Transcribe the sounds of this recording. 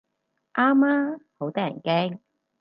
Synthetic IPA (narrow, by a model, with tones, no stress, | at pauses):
ʔaː˥maː˥ho˨˥wt̪ɔː˥jɐ˨˩nkɛː˥ŋ